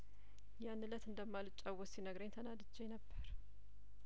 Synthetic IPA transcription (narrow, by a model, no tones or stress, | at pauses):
janːɨlət̪ɨnd̪əmːalut͡ʃʼːawosinəɡɾəɲt̪ʰənad̪ɨd͡ʒːejnəbːəɾ